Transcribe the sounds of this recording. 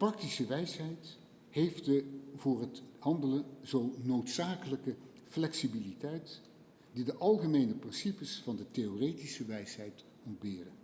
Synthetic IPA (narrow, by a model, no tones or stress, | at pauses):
prɑk̚tisəʋɛjsɦɛjt | hejftdəvʊːrɦətɦɑndələnzownowtsaːkələkə | flɛksibilitɛjt | didəʔɑlˠχəmejnəprɪnsipəsfɑndətejorejtisəʋɛjsɦɛjt | ɔnd̚bɪːrən